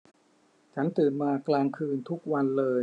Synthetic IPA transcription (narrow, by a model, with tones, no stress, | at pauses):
t͡ɕʰa˦˥nt̪ɯː˨˩nmaː˧klaː˧ŋkʰɯː˧nt̪ʰu˦˥k̚wa˧nlɤː˧j